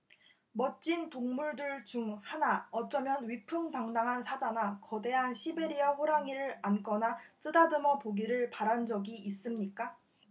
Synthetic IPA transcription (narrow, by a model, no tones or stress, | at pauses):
mʌt͡ɕ͈intoŋmuɭdɯɭt͡ɕuŋhanaʌt͡ɕ͈ʌmjʌnɥipʰɯŋtaŋdaŋɦansʰad͡ʑanakʌde̞ɦanɕʰibe̞ɾiʌɸoɾaŋiɾɯɾank͈ʌnat͈ɯdadɯmʌpoɡiɾɯɭpaɾand͡ʑʌɡiʔːs͈ɯmɲik͈a